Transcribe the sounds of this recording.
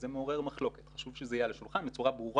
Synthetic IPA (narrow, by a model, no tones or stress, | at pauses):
zemeo̞ʁe̞ʁmaχlo̞ket̪χaʃuvʃezeajaleʃulχanbet͡suʁabʁuʁ